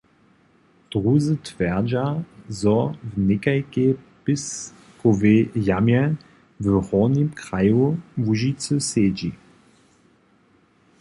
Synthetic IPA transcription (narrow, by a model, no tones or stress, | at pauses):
d̥ʁuzət̪vɛʁd͡ʑazɔvnɪkajkepɪs | kovejamjɛ | vəhɔnimkʁajuvuʒit͡sɨseːd͡ʑi